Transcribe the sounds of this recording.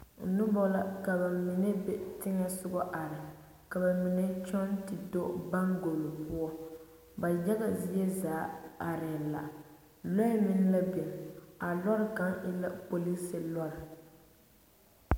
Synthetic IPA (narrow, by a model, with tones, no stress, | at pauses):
nʊ˦bɔ˦la˦ka˨ba˨mɪ˨nɛ˦bɛ˦tɪ˦ŋɛ˦sʊ˦ɡɔ˦ʔa˨ɾɪ˨ | ka˨ba˨mi˨nɛ˦t͡ʃɔ˦ntɪ˨do˦ba˦ŋɡo˨lo˨pʊ˦ɔ˦ | ba˨d͡ʒa˦ɡa˨zɪ˦jɛ˦zaː˨˦a˨ɾɪ˨la̰˨ | lɔ˦jmɪ˦n˦la˦be˨m˨a˨lɔ˦ɾɪ˦ka˦ŋʔɪ˦la˦po˨li˦sɪ˨lɔ˦ɾɪ˨